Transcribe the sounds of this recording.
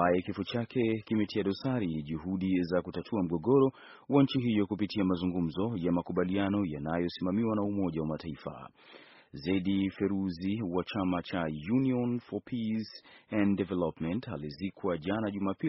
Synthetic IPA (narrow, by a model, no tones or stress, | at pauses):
ajɛkifut͡ʃakʰɛkimɛtʰiaɗɔsaɾiʄuɦuɗizakutatʰuam̩ɠɔɡɔɾɔ | waɲ̩t͡ʃiɦijɔkupitʰiamazuŋɡum̩zɔjamakuɓalianɔjanajɔsimamiwanaumɔʄawamataifa̰ | zaiɗifɛɾuziwat͡ʃamat͡ʃajuniɔnfɔpʰisɛ̃ndɛvɛlɔpmɛntalizikʰwaʄanaʄumaːpi